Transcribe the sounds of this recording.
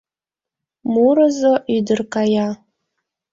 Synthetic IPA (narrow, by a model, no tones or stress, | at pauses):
muɾazoʔidɨrkʰʼaja